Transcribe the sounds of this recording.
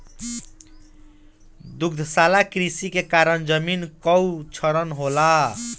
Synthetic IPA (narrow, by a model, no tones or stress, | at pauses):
d̪uɡd̪ʱsalakɾisikekaɾənd͡ʒəminkɔwt͡ʃʰʌɾənɦola